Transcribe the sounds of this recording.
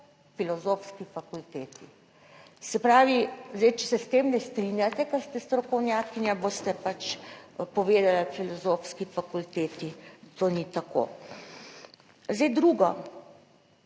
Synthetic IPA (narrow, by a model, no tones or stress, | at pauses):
filɔzoːfskifakult̪eːt̪i | sɛpɾaːʋizɛjt͡ʃɛ̥sɛst̪eːmnɛst̪ɾinjat̪ɛkaɾst̪ɛst̪ɾɔkɔwnjaːkinjaboːst̪ɛpat͡ʃpɔʋeːd̪alafilɔzoːfskifakult̪eːt̪it̪oːnit̪ako̰ː | zɛjd̪ɾuːɡɔ